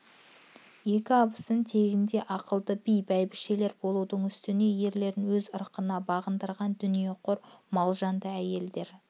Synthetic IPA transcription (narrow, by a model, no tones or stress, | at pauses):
je̞kʲɪɑbəsənt̪ʰe̞ɡʲɪnd̪e̞ʔɑqəlˠd̪əbijbæjbɪʃe̞le̞ɾbo̞lˠud̪əɴʏst̪ɪne̞je̞ɾle̞ɾɪnwɵzəɾqənɑbɑʁənd̪əɾʁɑnd̪ʏnije̞qʰo̞ɾmɑlˠʒɑnd̪əæje̞ld̪e̞ɾ